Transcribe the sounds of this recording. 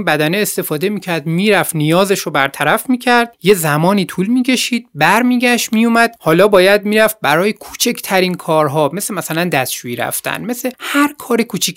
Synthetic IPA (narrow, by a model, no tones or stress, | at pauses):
bæd̪æneːst̪e̞fɒːd̪e̞miːcʰæɾd̪miːɾæft̪nijɒːzeʃobæɾt̪ʰæɾæfmiːcʰæɾd̪je̞zæmɒːniːt̪ʰuːlmiːcʰe̞ʃiːd̪̚bæɾmiːɡʲæʃt̪mijumæd̪̥hɒːlɒːbɒːjæd̪̚miːɾæf̚bæɾɒːjekʰuːt͡ʃʰecʰt̪ʰæɾiːnkʰɒːɾɦɒːme̞semæsælænd̪æst̪t͡ʃuːjiɾæ̰ft̪æ̰nme̞sehæɾkʰɒːɾekʰuːt͡ʃʰik